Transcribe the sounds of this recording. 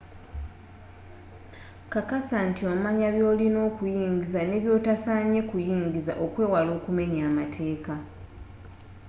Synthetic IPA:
kakasantio̞maɲaβjo̞ːlino̞ːkujiːŋɟizane̞βjo̞ːtasaːɲe̞kujiːɲɟiza̰ʔo̞kwe̞ːwalo̞ːkume̞ɲaːmatʰe̞ːka

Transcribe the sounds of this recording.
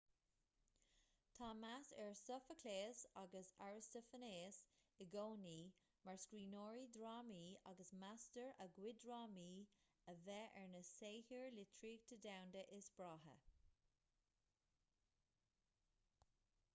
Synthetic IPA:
t̪ʰaːmasɛɹsəfəkʰleːsaɡəsaɹɪstəfəneːsɪɡoːniː | maɹskɹiːnoːɹidɹɑːmiːa̰ɡəsmastəɹəɡwɪdɹɑːmiː | əvɛʔɛɹnəseːhiɹlɪtʰɹiːɡ̚t̪ʰədawndəʔɪsb̥ɹaːɦə̰

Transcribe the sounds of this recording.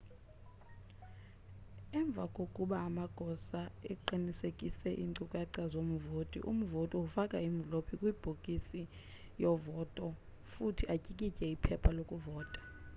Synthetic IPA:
ɛɱb̪vʱakʼokʼuɓaːmaɡ̥ʱɔsaɛǃinisekʼisɛʔḭŋǀukʼaǀazom̩voːtʼḭʔṵm̩votʼiufakʼaiɱlopʰikʼwib̥ʱokʼisi | jɔvɔtʼɔ | futʰiacʼikʼicʼɛipʰɛpʰalokʼuvɔːtʼḁ

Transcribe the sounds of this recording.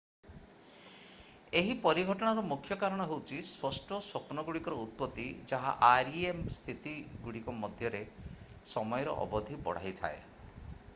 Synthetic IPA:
eɦipɔɾiɡʱɔʈɔɽ̃aɾɔmukʰjɔkaɾɔɽ̃ɔɦewt͡ʃʰispɔsʈɔswɔpnɔɡuɽikɔɾɔut̪̚pɔt̪ːid͡ʒaɦa̰ʔaɾiemst̪ʰit̪iɡuɽikɔmɔd̪ʱjɔɾe | sɔmɔjɔɾɔ̰ʔɔ̰bɔd̪ʱibɔ̰ɽ̤a̰it̪ʰa̰e

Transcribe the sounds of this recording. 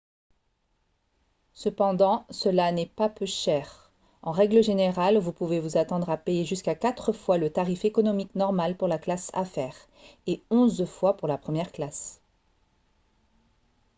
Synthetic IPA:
səpɑ̃d̪ɑ̃səlanɛpapøʃɛʁ | ɑ̃ʁɛɡləʒeneʁalvupuvevuzat̪ɑ̃d̪ʁapejeʒyskakat̪χəfwalət̪aʁifekɔnɔmiknɔʁmalpuʁlaklasa̰fɛːʁ | eɔ̃zfwapuʁlapχəmjɛʁklas

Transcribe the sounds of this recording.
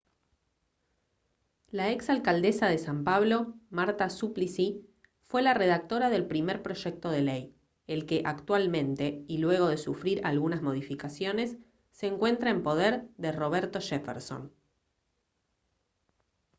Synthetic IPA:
laeksalkald̪e̞saðe̞sampaβlo̞maɾt̪asuplisi | fwe̞lare̞ðak̚t̪o̞ɾaðe̞lpɾimeɾpɾo̞ʒek̚t̪o̞ð̞elej | elke̞ʔakt̪walmẽ̞nt̪e̞ilwe̞ɣ̞o̞ð̞e̞sufɾiɾalɣunazmo̞ð̞ifikasjo̞ne̞sː | eːŋkwe̞nt̪ɾaempo̞ð̞eɾðe̞ro̞β̞eɾt̪o̞ʃefeɾso̞̰n

